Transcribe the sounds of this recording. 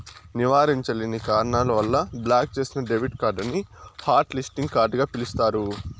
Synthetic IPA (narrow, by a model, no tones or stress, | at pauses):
niʋaːɾiɲt͡ʃɐlinikaːɾɐɳaːlɐʋɐlːɐblaːk̚t͡ʃe̞ːsinɐɖeʋiʈkaːɾɖɐnihaːɾʈlisʈiŋɡkaːɾɖɡaːpilist̪aːɾu